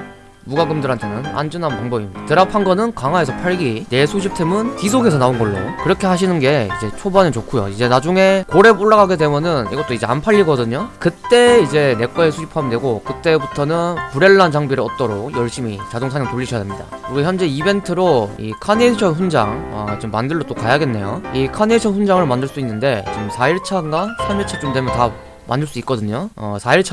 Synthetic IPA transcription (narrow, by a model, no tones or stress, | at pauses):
muɡaɡɯmdɯɾɦantʰenɯna̰nd͡ʑɯnanmaŋbʌimɲid̥atɯɾapʰanɡʌnɯnkaŋɦae̞sʰʌpʰaɭɡine̞sʰud͡ʑip̚tʰemɯnkisʰoɡʰe̞sʰʌnaunɡʌɭːo̰kɯɾʌkʰe̞ɦaɕ̬ʰinɯnɡe̞ḭd͡ʑe̞t͡ɕʰobanɯt͡ɕokʰujo̰id͡ʑe̞nad͡ʑuŋe̞koɾe̞puɭːaɡaɡede̞mjʌnɯnḭɡʌt͈oid͡ʑe̞̰a̰npʰaʎːiɡʌdɯɲokɯt͈e̞id͡ʑe̞ne̞k͈ʌesʰud͡ʑipʰamidwe̞ɡokɯt͈e̞butʰʌnɯnpuɾe̞ɭːant͡ɕaŋbiɾɯʌt̚t͈ʌɾok̚jʌɭɕ͈imit͡ɕadoŋsʰaɲjʌŋtoʎːiɕʰjademɲida̰kɯɾiɡoçjʌnd͡ʑe̞ibe̞ntʰɯɾoḭkʰaneɕʰʌnɸund͡ʑa̰ŋʌ̰t͡ɕomːandɯɭːot͈okajaɡe̞nːe̞jo̰ikʰaneɕʰʌnɸund͡ʑaŋɯɭmandɯɭs͈uinːɯnde̞t͡ɕomsʰaiɭt͡ɕʰanɡasʰamit͡ɕʰet͡ɕ͈umdwemjʌnta | ma̰ndɯɭs͈uik͈ʌdɯɲoʌ̰sʰaiɭt͡ɕʰ